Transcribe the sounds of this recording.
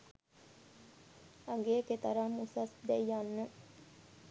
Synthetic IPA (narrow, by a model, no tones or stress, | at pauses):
ɐŋɡeːket̪ɐɾamusasd̪ɛjjanːə